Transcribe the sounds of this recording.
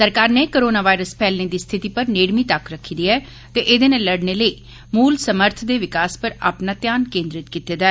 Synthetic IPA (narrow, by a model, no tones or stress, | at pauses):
səɾkaːɾneːkoːɾoːnaːʋaːɪɾəspʰɛːlneːd̪iːst̪ʰɪt̪iːpəɾneːɽmiːt̪əkɾəkʰːiːd̪iːɛː | t̪eːʔɪd̪eːneːləɽneːləiː | muːlsəməɾt̪ʰd̪eːʋɪkaːspəɾa̰ːpnaːt̪jaːnkẽːnd̪ɾɪt̪kiːt̪eːd̪aɛ